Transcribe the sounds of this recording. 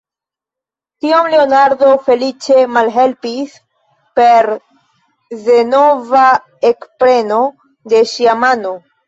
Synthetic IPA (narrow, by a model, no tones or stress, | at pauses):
tiomleonaɾdo̞fe̞lit͡ʃe̞malɦe̞lpis | pe̞ɾ | ze̞no̞va | ekpɾe̞no̞ | de̞ʃiamano